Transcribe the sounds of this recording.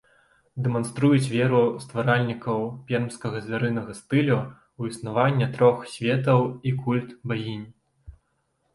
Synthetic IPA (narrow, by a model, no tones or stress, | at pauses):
d̪ɛmanst̪ɾujut͡sʲvʲɛɾust̪vaɾalʲnʲikɐwpʲɛrmskɐɣɐzʲvʲaɾɨnɐɣɐst̪ɨlʲu | wisnavanʲːɐt̪ɾɔxsʲvʲɛt̪ɐwikulʲt̪bajʲinʲ